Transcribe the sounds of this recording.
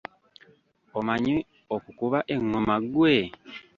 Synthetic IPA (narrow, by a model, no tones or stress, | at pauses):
omaɲe | okukuβaʔeŋːomaɡwe